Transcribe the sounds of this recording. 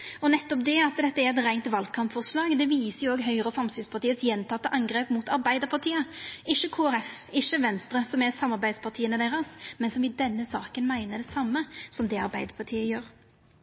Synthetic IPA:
ɔnɛt̪ːɔpd̪ɛɑt̪d̪ɛt̪ːəɛɾɛt̪ɾæɪnt̪ʋɑlkʰɑmpfɔʁslɑːɡd̪ɛʋiːsəjʊoːɡɦœʏɾəfɾɑmst̪yspʰɑʁt̪iːəsjɛnt̪ʰɑt̪ːəʔɑŋɡɾeːpmut̪ɑɾbæɪd̪əɾpʰɑʁt̪ʰiːəɪʃːəkʰoːæɾɛfɪʃːəʋɛnst̪ɾəsɔmɛsɑmːɑɾbæɪd̪spɑʁt̪ʰiːənəd̪eːɾɑsmɛnsɔmɪd̪ɛnːəsɑːkənmæɪnəd̪ɛsɑmːəsɔmd̪ɛɑɾbæɪd̪əɾpʰɑt̪ʰiːəjøːɾ

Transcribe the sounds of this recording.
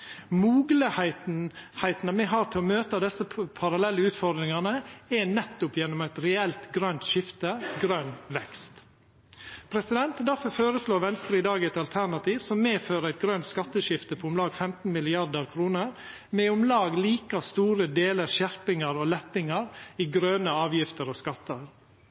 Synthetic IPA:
muːɡləhæɪt̪hæɪt̪nəmɛɦɑɾt̪ʰɪlɔmøːt̪əd̪ɛsəpʰɑɾɑlɛlːəʉːt̪fɔɾd̪ɾɪŋɑnəɛnɛt̪ːʊpjɛnːɔmæɪt̪ɾɛɛlt̪ɡɾœnt̪ʃɪft̪əɡɾœnʋɛkst̪ | pʰɾɛsɪd̪ɛnt̪d̪æɾfɔɾfoːɾəsloːɾʋɛnst̪ɾəɪd̪ɑːɡæɪt̪ɑlt̪ʰæɾɳɑt̪ʰiːʋsɔmːeːføːɾəæɪt̪̚ɡɾœnt̪skɑt̪ːəʃɪft̪əpʰɔʊmlɑːɡfɛmt̪n̩mɪlɪɑɾd̪əɾkʰɾuːnəɾ | mɛʊmlɑːɡliːkɑst̪uːɾəd̪eːləɾʃæɾpɪŋɑɾɔlɛt̪ːɪŋɑɾiːɡɾœːnəɑːʋjɪft̪əɾɔskɑt̪ːəɾ

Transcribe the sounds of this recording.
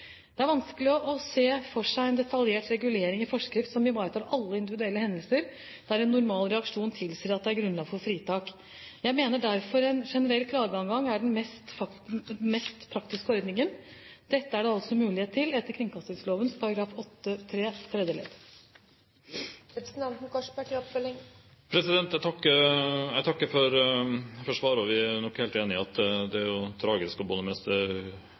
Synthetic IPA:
d̪̥ɛæɾʋɑnsklɪɔʔɔseːfɔʂæɪɛnd̪ɛt̪ʰɑljeːʈɾɛɡʉleːɾɪŋɪfɔʂkɾɪft̪sɔmɪʋɑːɾt̪ʰɑʔɑlːəɪnd̪ɪʋɪd̪ʉɛlːəhɛnd̪əlsəɾ | d̪̥æɾɛnːʊɾmɑːlɾɛɑkʂuːnt̪ʰɪlseːɾɑt̪̚d̪ɛæɾɡɾʉnlɑːɡfɔɾfɾiːt̪ʰɑːk | jæɪmeːnəɖæɾfɔɾɛnʂɛnəɾɛlːkʰlɑːɡəɑŋɡɑŋæɖɛnmɛst̪fɑ | mɛst̪pʰɾɑkt̪ɪskəɔɾd̪nɪŋənd̪̥ɛt̪ːəæɖɛɑlsɔmʉːlɪheːt̪ʰːɪlɛt̪ːəɾkʰɾɪŋkʰɑst̪ɪŋsloːʋənspʰɑɾɑɡɾɑːfɔt̪ːət̪ʰɾeːt̪ʰɾɛd̪əlɛ̰d̪ | ɾɛpɾsnd̪ɛnt̪n̩kɑʂpɑʈiːɔpmɛlːɪŋ | pʰɾɛsɪd̪ɛnt̪æt̪ɑkːəæt̪ʰɑkːəfɔɾfɔʂʋɑːɾɔʋɪnɔkːheːleːnɪɑt̪d̪ɛæɾjʊt̪ʰɾɑːɡɪskɔbʊnəmɛst̪ə

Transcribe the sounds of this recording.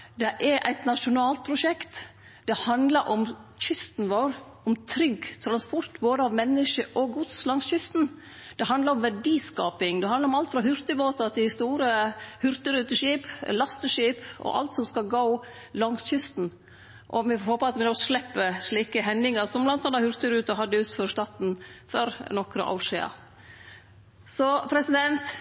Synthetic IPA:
d̪ɛʔɛɾʔæ̰ɪt̪nɑʂʊnɑːlt̪̚pʰɾʊʂɛkt̪ | d̪̥ɛhɑnd̪ləɾʔɔmçʏst̪n̩ʋoːɾ | ɔmt̪ʰɾʏɡt̪ʰɾɑnspɔɾt̪boːd̪əɑʋmɛnːəʂəʔɔɡʊd̪slɑŋsçʏst̪n̩ | d̪̥ɛhɑnd̪ɑɾɔmʋæɖiːskɑːpɪŋd̪ɛhɑnd̪ɑɾɔmɑlt̪fɾɑɦʉɾt̪əboːt̪ɑd̪ɪst̪uːɾəhʉɾt̪əɾʉːt̪əʂiːplɑst̪əʂiːpɔ̰ʔɑ̰lt̪sɔmskɑlɡoʊ | lɑŋsçʏst̪n̩ | ʔɔmɛfhoːpəɾɑt̪ʋɪnɔʂlɛpːəʂɭiːkəɦɛnːɪŋɑɾsɔmblɑnt̪ɑnːɑhʉɾt̪əɾʉːt̪əɦɑd̪ːəʉːt̪føːɾʂt̪ɑːt̪nfɔɾnɔkɾə̰ʔɑ̰ːʂɛːɑ̰ | sɔpʰɾɛsɪd̪ɛnt̪

